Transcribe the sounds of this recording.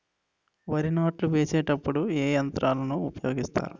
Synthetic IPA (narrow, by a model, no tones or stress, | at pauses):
ʋɐɾinaːʈluʋeːseːʈɐpːuɽueːjɐnt̪ɾʔaːlɐnuupɐjo̞ːɡist̪a̰ːɾu